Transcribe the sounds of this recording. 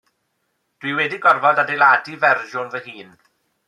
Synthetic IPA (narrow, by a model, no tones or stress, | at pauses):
d̥wiwɛdiɡɔrvɔdadejladivɛrʒʊnvəɦiːn